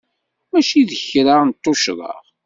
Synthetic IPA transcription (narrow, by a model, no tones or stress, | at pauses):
mæʃiðəçɾant̪ˤːoʃðˤə̰ʁ